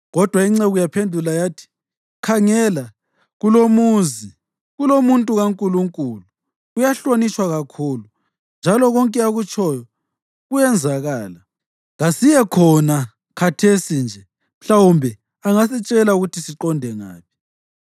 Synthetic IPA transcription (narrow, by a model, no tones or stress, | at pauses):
ɣɔd̥ʱwaiŋ͡ǀɛɣujapʰendʱulajaːtʰi̥ | kʰaŋɛla | ɣulomuːzi | ɣulomuntʼuɣaŋkʼuluŋkʼulu | ujaɬwanit͡ʃʼwaɣakʰuːlu | nd͡ʒʱalɔɣɔŋkʼɛaɣut͡ʃʰʼɔjɔ | ɣujɛnd͡zʱaɣaːla | ɣasijɛkʰɔna | kʰatʰesind͡ʒʱɛ | m̩ɬawumbʱɛ | aŋasit͡ʃʼɛlauɣutʰisiǃɔndʱɛŋa̰ːpʰi̥